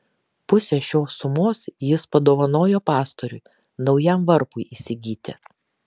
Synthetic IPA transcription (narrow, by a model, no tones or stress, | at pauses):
pʊsʲɛʃʲoːsːʊmoːsjɪspɐd̪oːʋɐnoːjoːpɑːst̪oɾʲʊɪ | nɒʊjɛmʋɐɾpʊɪʔisʲɪɡʲiːt̪ʲɪ